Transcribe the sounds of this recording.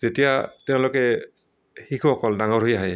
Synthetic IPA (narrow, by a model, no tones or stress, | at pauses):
z̥etijatɛʊ̃lɔkɛ | hikʰuɔkɔldaŋɔɹɦojaɦɛ